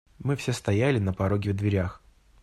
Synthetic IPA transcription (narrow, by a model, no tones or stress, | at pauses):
mɨfsʲest̪ɐjælʲɪnəpɐɾo̞ɡʲɪvd̪vʲɪɾʲax